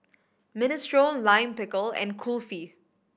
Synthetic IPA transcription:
mɪnɪstɹõnlãɪ̃mpɪkəlɛ̰̃nkʰulfi

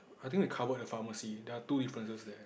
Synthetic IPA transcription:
ajt̪ĩŋkwikʰavədəfaməsidɛatudifɹə̃nsəsdɛ

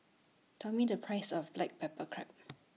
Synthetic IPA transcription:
tʰɛmidəpʰɹaɪsɔfblɛk̚pʰɛpəkʰɹɛ̰p̚

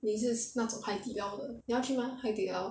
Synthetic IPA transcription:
niʂ̬̩nat͡sopʰaɪt̪iljɑʊd̪ənijɑʊt͡ɕʰymaxaɪt̪iljɑʊ

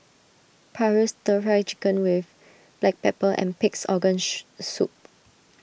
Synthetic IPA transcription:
pʰaɹəstəɹat͡ʃikə̃nwɪf | b̥lɛk̚pɛpəʔɛ̰̃npiksɔɡə̃nsup̚

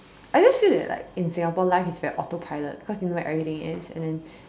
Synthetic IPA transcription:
ʔaɪd͡ʒəsfidɛ̰ʔla̰ɪkɪ̃nsɪ̃ŋhapɔlaɪfɪsvɛɹiʔɔtopʰaɪlət̚b̥ikɔsjunowɔɛtʔɛvɹit̪ɪ̃ŋɪ̰sɛ̰̃ndɛ̃n

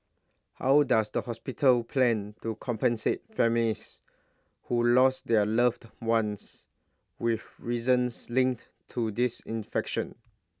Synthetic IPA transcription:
ha̰wdasdəhɔspitʰəlpʰlɛ̃ntukʰɔ̃mpə̃nset̚fɛmilis | hulɔsdɛələftwãns | wifɹizə̃nslĩŋk̚t | tʰudisĩnfɛkʃə̃n

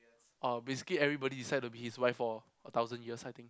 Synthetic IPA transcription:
ʔabesi̥kliɛvɹibɔɾidisaɪd̚tubihiswaɪfɔ | ət̪aʊzə̃njiəsaɪjt̪ĩŋk

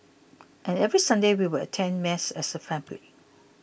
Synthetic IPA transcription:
ʔɛ̃nɛvɹisãndewiwəə̰tʰɛ̃nmɛsɛ̰səfɹɛ̃mpli

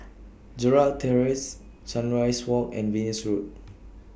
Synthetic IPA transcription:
d͡ʒuɹaltʰɛɹis | sãnɹajswɔkɛ̰̃nvinisɹut̚

